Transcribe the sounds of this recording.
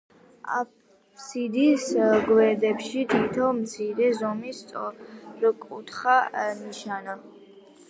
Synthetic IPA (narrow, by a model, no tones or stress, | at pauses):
a̰p | sid̪isɡwɛɾd̪ɛpʃit̪ʰit̪ʰɔmt̪sʰiɾɛzɔmist̪sʼɔɾɔkʼut̪ʰχaniʃana